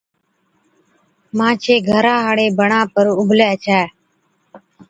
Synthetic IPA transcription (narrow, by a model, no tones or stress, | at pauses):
mãːt͡ʃʰeːɡʱəɾãːɦaːɽeːbəɳãːpəɾʊbʱlɛːt͡ʃʰɛː